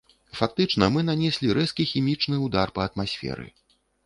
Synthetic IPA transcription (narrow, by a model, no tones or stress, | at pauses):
fak̚t̪ɨt͡ʂn̪ɐmɨnanʲɛsʲlʲiɾɛskʲixʲimʲit͡ʂnɨud̪arpɐɐt̪masʲfʲɛ̰ɾɨ̰